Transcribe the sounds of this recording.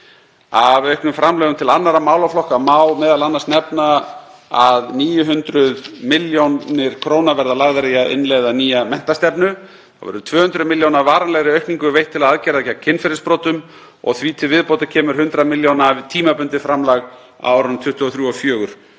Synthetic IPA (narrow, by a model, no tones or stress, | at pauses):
avœɥhknʏmfɾamlɛːɣʏmt̪ʰɪlanːaɾamaːwlawflɔhkamaːwlmɛːðalanːḁɾsnɛpnaaðniːjʏɦʏnt̪ɾʏðmɪljownnɪɾ̥kʰɾoːwnavɛɾðalaɣðaɾejaɪ̰nlɛɣðaniːjamɛn̥t̪ast̪ɛpnʏ | θa̰wvɛ̰ɾʏt̪ʰvœːhʏnt̪ɾʏðmɪljownavaːɾanlɛɣɾɪœɥhkniŋkʏvejht̪ʰːɪlaðaðcɛɾaðɛcːacʰɪnfɪɾɪspɾoːwt̪ʏm | ɔ̰ɣθvit̪ʰɪvɪðpowt̪acʰɛːmʏɾ̥ɦʏnt̪ɾaðmɪljownavɪt̪ʰiːmapʏnt̪ɪfɾamlaɣ | a̰wawɾʏnʏmt̪ʰʏht̪ːɔθɾjuːɔfjœːɣʏɾ̥